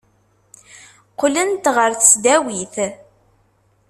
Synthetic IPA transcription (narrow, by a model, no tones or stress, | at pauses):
qlənt̪ʁəɾθəsd̪æwiθ